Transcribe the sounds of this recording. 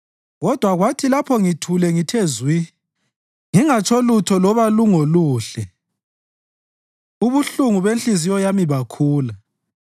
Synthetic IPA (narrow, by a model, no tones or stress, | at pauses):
ɣɔd̥ʱwaɣwatʰilapʰɔŋitʰulɛŋitʰezwi | ŋiŋat͡ʃʰɔlutʰɔlɔβaluŋoluːɬɛ | uβuɬuŋuβenɬizijɔjamiβakʰuːla